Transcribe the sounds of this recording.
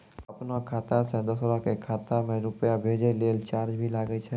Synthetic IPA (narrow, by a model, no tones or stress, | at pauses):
ɐpnakʰaːt̪asẽd̪osəɾakekʰaːt̪amẽɾʊpjabʱeːd͡ʒeleːlt͡ʃaːɾd͡ʒbʱilaːɡəit͡ʃʰɛ